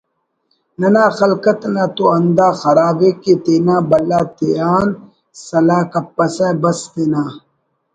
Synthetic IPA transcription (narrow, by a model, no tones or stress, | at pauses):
nɐnaːxɐlkɐt̪nɐt̪oɐnd̪aːxɐɾaːbeket̪eːnaːbɐlaːt̪eaːn | sɐlaːkɐpːɐsɛbɐst̪eːnaː